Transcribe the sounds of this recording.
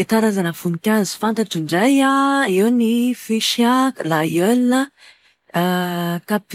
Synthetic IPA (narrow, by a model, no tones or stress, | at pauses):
et̪aɾazanəfunikʲazi̥fant̪aʈ͡ʂiɳɖ͡ʐajaiwnifiʃiaklajølnə | kap